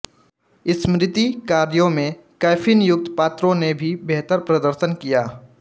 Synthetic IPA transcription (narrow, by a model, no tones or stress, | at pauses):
ɪsmɾɪt̪ikaːɾjõmẽ | kɛːfʰɪnjʊk̚t̪paːt̪ɾõnebʱibeɦt̪əɾpɾɐd̪əɾʃənkijaː